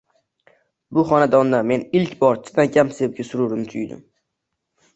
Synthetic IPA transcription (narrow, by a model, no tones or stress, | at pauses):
bʊχɒnad̪ɒnd̪ame̞nɪlkʲbɒɾt͡ʃʰɪ̥d̪ankʲʰamsep̚ɡʲasʊɾʊɾnɪt̪ʰʊjd̪ɪ̰m